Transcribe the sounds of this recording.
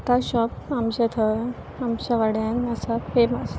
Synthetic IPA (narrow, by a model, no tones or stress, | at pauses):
t̪aɕɔpamt͡ɕet̪ʰəɾ | amɕaʋaɽjãnːasafemas